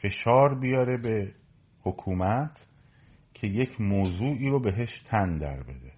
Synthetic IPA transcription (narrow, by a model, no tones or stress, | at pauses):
fe̞ʃɒːɾbijɒːɾe̞be̞ | hokʰuːmæt̪ʰ | cʰe̞je̞cʰmoːzuːʔiːɾobe̞ɦe̞ʃt̪ʰænd̪æ̰ɾbe̞̰d̪e